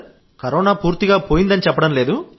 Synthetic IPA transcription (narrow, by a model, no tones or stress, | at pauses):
kɐɾɔːnaːpuːɾt̪iɡaːpoːjind̪ɐnit͡ʃɛpːɐɽɐmle̞ːd̪u